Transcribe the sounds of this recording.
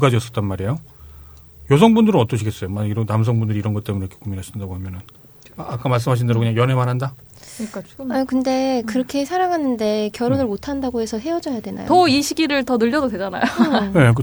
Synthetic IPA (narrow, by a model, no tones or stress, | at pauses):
uɡad͡ʑiʌs͈ʌt͈̚ʌnmaɾejo | jʌs̬ʰʌŋbundɯɾɯnʌt͈ʌɕʰiɡes͈ʌjomaiɾʌnams̬ʰʌŋbundɯɾiɾʌnɡʌt͈e̞munekʰekomjonɦaɕʰindaɡoɦamjʌnɯn | aak͈amaɭs͈ɯmɦaɕ̬ʰindaɾokɯɲaŋjʌne̞manɦanda | akɯnde̞kɯɾʌkʰe̞sʰaɾaŋanːɯnde̞kjʌɾonɯɭmotʰandaɡohe̞sʰʌɦe̞ʌd͡ʑʌjadwe̞na̰jooiɕʰiɡiɾɯɭtʌnɯʎːʌdodwe̞d͡ʑana̰jone̞k̬o